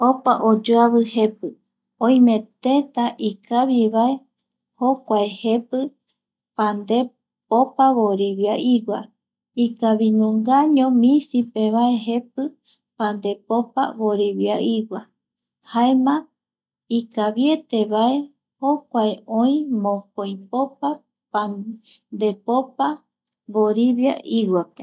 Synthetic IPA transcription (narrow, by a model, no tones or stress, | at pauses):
opaʔod͡ʒoaβɨhe̞pɨ | õĩmẽt̪ẽt̪aʔikaβiβae̞ | hokʷaehe̞pɨ | pãnd̪e̞ | popaβoɾiβjaʔiwa | ikaβiɲũŋɡaɲõmĩsipeβae̞ɦe̞p̚ɨ | pand̪e̞popa̰βoɾiβjaiwa | haemã | ikaβjet̪eβae | hokʷaeoĩmõkojpopa | pand̪e̞popa | βoɾiβja̰ʔiwape